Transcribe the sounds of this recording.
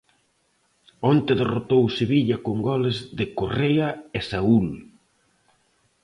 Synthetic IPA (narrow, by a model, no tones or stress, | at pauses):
ont̪eðerot̪owseβiʎɐkoŋɡɔlɪzðɪkoreɐesaul